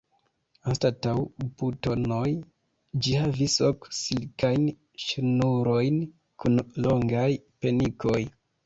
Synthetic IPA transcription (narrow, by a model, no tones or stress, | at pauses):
anstatawbuto̞noj | d͡ʒihavisoksilkajn | ʃnuɾo̞jn | kʰunloŋɡajpe̞niko̞j